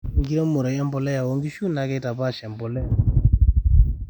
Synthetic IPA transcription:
ŋɡi˦ɾɔ˦mo˨ɾɔ˨jɛ˦mbɔ˨lɛ˦ja˨wɔ˨˦ŋɡi˦ʃu˦na˨˦kɛ˦ta˨pa˦˨ʃɛ˨mbɔ˨lɛ˦

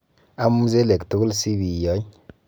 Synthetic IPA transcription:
a˦mu˦ze˦le˨ktu˦ku˦lsi˦bi˨jɔ˨˦ɲ

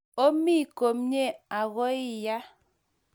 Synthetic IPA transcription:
o˦mi˦˨ko˨mɲe˦a˨ɣɔ˦i˦ja˦

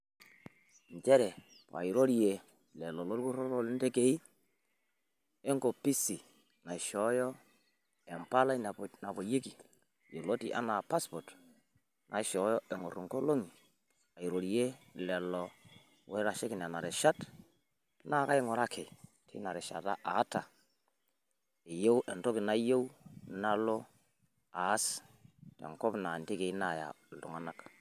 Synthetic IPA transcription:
ɲt͡ʃɛ˦ɾɛ˨ | pa̰˨i˨ɾo˦ɾi˦e˨ | lɛ˨lɔ˨lo˦ɾku˦ɾo˦lo˦lɪ˦nte˦ke˨i˦ | ɛ˦ŋko˨pi˦si˨ | na˨ʃɔ˨˦jɔ˦ | ɛ˨mpa˦la˦i˦n˨na˨bo˨je˦ki˨ | jo˨lo˦ti˦ʔa̰˦na˨pa˦spɔ˨t | nʔa˨˦ʃɔ˨˦jɔ˦ɛ˨ŋo˨ɾu˨ŋko˦lo˦ŋi˨ | a˨i˨ɾo˨ɾi˦je˦lɛ˨lɔ˨ | we˦ɾa˨ʃe˦kɪ˨n˨a˨na˨ɾɪ˨ʃa˦t | na˦˨˦ka˦jɪ˦ŋɔ˨ɾa˦kʰe˨ | tʰḭ˦na˨ɾɪ˨ʃa̰˨ta˦ʔa˨˦ta˨ | ɪ˨jo˦wʔɛ˨nto˦kɪ˨na˦jo˦u˦na˦lo˦ | aː˨˦stɛ̰˨ŋkɔ˦bna˨ndɪ˦ke˨˦na˦˨ja̰˨ | ltʊ̰˨ŋa˦na˦k

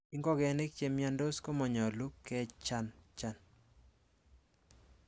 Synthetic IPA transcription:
ɪ˦ŋɡɔ˦ɡɛ˨nɪ˦k̚t͡ʃe˦mja˦ndo˦sko˦mɔ˨ɲɔ˨lu˦kːɛ˦t͡ʃa˦nt͡ʃa˦n

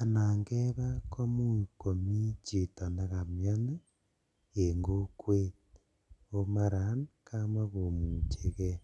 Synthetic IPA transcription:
a˨naː˨ŋɡeβa˦kʰo˦mu˦iko˨mi˦t͡ʃe˨ta˨na˦ɣa˨mja˦na˦ | e˨ŋɡo˦kwe˦ | o˦ma˦ɾa˨˦nka˦ma˦ɣo˨mu˨t͡ʃe˨ɣe˦

